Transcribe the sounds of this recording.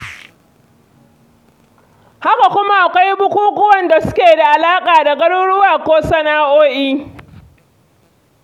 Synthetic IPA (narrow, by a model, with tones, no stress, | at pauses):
ha˦ka˨kʷʊ˦ma˦ʔa˨kʷa˦jbʊ˦kʷuː˦kʊ˦wɐ˨nda˨sʊ˦kʲeː˨da˨ʔa˨laː˦kʼaː˨da˨ɡɐ˦ɽʊ˦ɽʊ˦waː˨kʷoː˦sɐ˦naː˦ʔoː˦ʔiː˦